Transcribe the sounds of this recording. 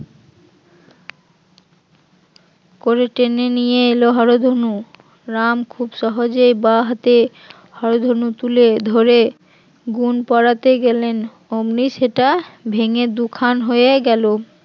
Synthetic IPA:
koɾeʈenenijeeloɦɔɾod̪ʱɦonu | ɾamkʰubʃɔɦod͡ʑejbaɦat̪e | hɔɾod̪ʱɦonut̪uled̪ʱoɾe | ɡunpɔɽat̪eɡelen | omniʃeʈabʱeŋed̪ukʰanɦojeɡɛlo

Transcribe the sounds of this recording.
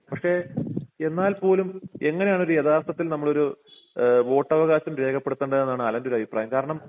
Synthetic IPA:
pɐkʂe̞e̞nːaːlpo̞ːlume̞ŋːɐne̞jaːɳo̞ɾujɐðaːst̪ɐt̪ːilnɐmːɐɭo̞ɾu | ʋo̞ːʈːɐʋɐɣaːɕɐmɾe̞ːkʰɐpːe̞ɽut̪ːɐɳɖɨðenːaːɳɐlɐndo̞ɾuɐbʱipɾaːjɐmkaːɾɐɳɐm

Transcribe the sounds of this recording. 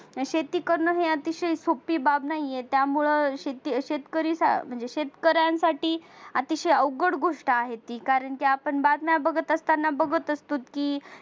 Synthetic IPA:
ɕet̪iːkəɾnəɦeat̪iɕəjsopiːbabnaɦijet̪jamuɭəɕet̪iɕet̪kəɾiːsa̰m̤əɳd͡zeɕet̪kəɾjãnsaʈiːat̪iɕəjəwɡəɽɡʱoʂʈaaɦet̪iːkaɾəɳkiapəɳbad̪mjabəɡət̪əst̪anːabəɡət̪əst̪uːt̪kiː

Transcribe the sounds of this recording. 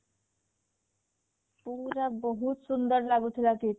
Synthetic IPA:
puɾabʌɦut̪sund̪ʌɾlaɡut̪ʰilaki

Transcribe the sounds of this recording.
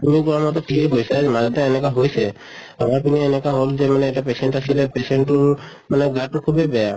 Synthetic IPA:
t̪umikuɾamat̪ɔʈʰikebojsad͡ʒemad͡ʒat̪ãenekaɦojsʰe | amaɾpinienekaɦold͡ʒemaneeʈapeseɳʈasilepeseɳʈuɾ | maneɡaʈukʰubebɛa

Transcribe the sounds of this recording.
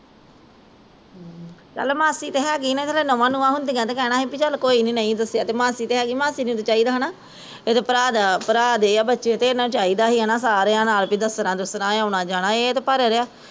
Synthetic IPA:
t͡ʃəlmaːsiːt̪eːɦɛːɡiːnẽːt͡ʃəleːnomãːnũːãːɦʊnd̪iːãːt̪eːkɛːnãːɦiːpiːt͡ʃəlkoːiːnĩːnəĩːd̪əsːjaːt̪eːmaːsiːt̪eːɦɛːɡiːmãːsiːnĩːt̪et͡ʃaːiːd̪aːɦnaː | et̪eːpəɾaːd̪apəɾaːd̪eːaːbətːʃeːt̪eːnãːt͡ʃaːiːd̪aːɦiːənaːsaːɾeːãːnaːlpiːd̪əsɾãːd̪ʊsɾãːãːʊnãːd͡ʒaːnãːeːt̪eːpəɾeɾeaː

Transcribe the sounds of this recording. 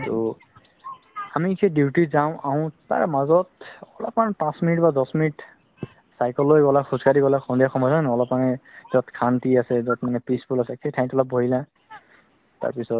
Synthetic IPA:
tʊ̰ | amikejdiutizawʊ̃ʔaʊ̃ta̰ɹmazɔtɔlɔpmanpãsminitbadɔsminit | sajkɔlojɡɔlaxʰuzkaɹiɡɔlaxʰɔndijaxɔmɔzanɔlɔpmanɛz̥ɔtkʰantiasɛzɔtmanɛpispʰulasɛkʰejtʰaj̃tɔlɔp̚boɦila | ta̰ɹpisɔt̚

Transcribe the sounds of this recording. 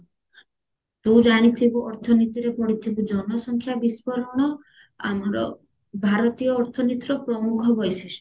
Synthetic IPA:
t̪ũd͡ʒaɽ̃it̪ʰibuʔɔɾt̪ʰɔnit̪iɾepɔɽit̪ʰibud͡ʒɔnɔsɔŋkʰjabispɔɾɔɽ̃ɔ | a̰mɔɾɔ̰ | bʱaɾɔt̪ijɔːɾt̪ʰɔnit̪ɾɔpɾɔmukʰɔbɔjseʃ

